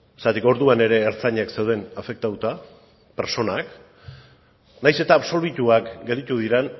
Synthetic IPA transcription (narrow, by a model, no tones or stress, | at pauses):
est̪at̪iko̞ɾðuane̞ɾe̞ːɾt͡saɲakse̞wð̞e̞nafe̞k̚t̪at̪ut̪a | peɾso̞nak | najse̞t̪aːβso̞ɾβ̞it̪uakɡe̞ld̪it̪uðiɾen